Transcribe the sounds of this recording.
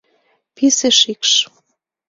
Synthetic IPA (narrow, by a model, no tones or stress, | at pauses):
piseʃikʃ